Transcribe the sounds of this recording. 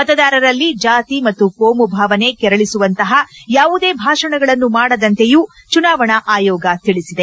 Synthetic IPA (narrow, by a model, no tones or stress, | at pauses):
mɐt̪ɐd̪aːɾɐɾɐlːid͡ʒaːt̪imɐt̪ːukoːmubʱaːʋɐne̞kɛɾɐɭisuʋɐnt̪ɐɦɐjaːʋud̪e̞ːbʱaːʂɐɳɐɡɐɭɐnːumaːɽɐd̪ɐnt̪e̞juː | t͡ʃunaːʋɐɳɐʔaːjɔːɡɐt̪iɭisid̪e